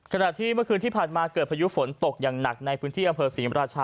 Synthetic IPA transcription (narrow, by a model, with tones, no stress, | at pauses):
kʰa˧na˨˩t̪ʰiː˥˩mɯ˥˩ɐkʰɯː˧nt̪ʰiː˥˩pʰaː˨˩nmaː˧kɤː˨˩t̪̚pʰaː˧ju˦˥fo˩˦nt̪o˨˩k̚jaː˨˩ŋna˨˩k̚na˧jpʰɯː˦˥nt̪ʰiː˥˩ʔa˧mpʰɤː˧siː˩˦ɾaː˧t͡ɕʰaː˧